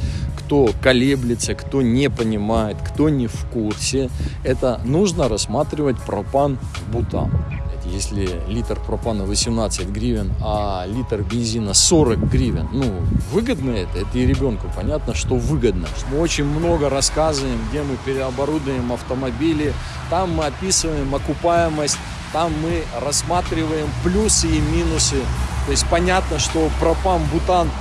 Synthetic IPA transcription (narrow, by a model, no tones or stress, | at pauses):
kt̪o̞kɐlʲeblʲɪt̪səkt̪o̞nʲɪpənʲɪmajɪt̪kt̪o̞nʲɪfkursʲɪɛt̪ənuʐnəɾɐsːmat̪ɾʲɪvət̚ʲpɾɐpan | bʊt̪a̰m | t̪jesʲlʲɪlʲit̪rpɾɐpanəvəsʲɪmnat̪sɨtʲɡɾʲivʲɪnalʲit̪rbʲɪnzʲinəsoɾək̚ɡɾʲivʲɪnːuvɨɡəd̪nəɛt̪əɛt̪əiɾʲɪbʲo̞nkʊpɐnʲat̪nəʂt̪o̞vɨɡəd̪̚nə | mɨo̞t͡ɕɪnʲmno̞ɡəɾɐskazɨvəjɪmɡdʲemɨpʲɪɾʲɪɐbɐɾud̪əəjɪmɐft̪əmɐbʲilʲɪ | t̪amːɨɐpʲisɨvəjɪmɐkʊpajɪməsʲtʲ | t̪amːɨrɐsːmat̪ɾʲɪvəjɪmplʲusɨimʲinʊsɨt̪o̞ɪsʲtʲpɐnʲat̪nəʂt̪o̞pɾɐpanbʊt̪an